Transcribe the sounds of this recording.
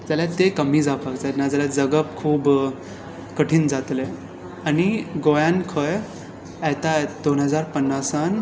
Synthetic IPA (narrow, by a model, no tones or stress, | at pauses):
d͡zaljat̪ekəmiːd͡zapaɡt͡sanãd͡zaljad͡zəɡəpkʰuːb | kəʈʰiːnd͡zat̪le | aniɡojãnkʰəj | at̪aed̪onɦəd͡zaɾpənːasan